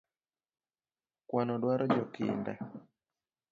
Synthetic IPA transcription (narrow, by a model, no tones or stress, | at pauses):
kwanɔdwaɾʔɔd͡ʒɔkḭndɛ̰